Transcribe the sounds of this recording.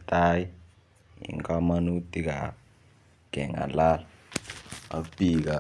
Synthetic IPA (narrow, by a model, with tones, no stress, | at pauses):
tʰʼa˦ji˦ | ḭ˨ŋkʼa˦ma˦nu˦ti˦k̬a˨ | ɡ̥ɛ˨ŋa̰˨la˦la | a̰˨ub̥ʱi˨k̬a˨